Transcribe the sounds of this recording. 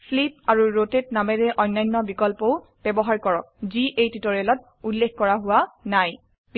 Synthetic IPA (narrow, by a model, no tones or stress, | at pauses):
slip̚aɹuɹotet̚namɛɹɛʔɔjnːajnːɔbikɔlpɔʊ | b̥ɛbɔɦaɹkɔɹɔk̚ziʔejtitɔɹelɔt̚ | ulːekkɔɹaɦʊwanaj